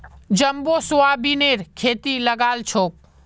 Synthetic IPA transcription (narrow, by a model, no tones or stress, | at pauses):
d͡ʒəmbosoabineɾkʰeːt̪iləɡaːlt͡ʃʰok̚